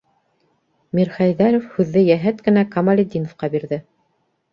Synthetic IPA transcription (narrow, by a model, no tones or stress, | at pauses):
mʲiɾχɑjðæɾofhʉðːɘjæɦæt̪kɘ̆nækɐmalʲed̪ʲinŏfqɑbiɾðɘ